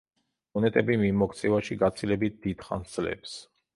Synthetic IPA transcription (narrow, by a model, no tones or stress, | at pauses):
ɔnɛt̪ʼɛbimimɔkʰʼt̪sʰʼɛvaʃiɡat̪sʰilɛbit̪̚d̪̥id̪̥χa̰nd̪z̥lɛ̰ps